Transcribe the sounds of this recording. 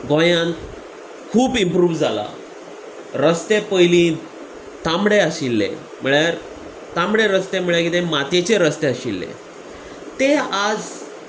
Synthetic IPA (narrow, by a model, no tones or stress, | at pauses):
ɡõjãnt̪ | kʰuːpimpɾuːʋd͡zala̰ | ɾəst̪epəjlĩ | t̪amɽeəɕilːḛ | m̤əɭjaɾ | t̪ãmɽeɾəst̪em̤əɭjakit̪emat̪et͡ɕeɾəst̪eaɕilːḛ | t̪ead͡z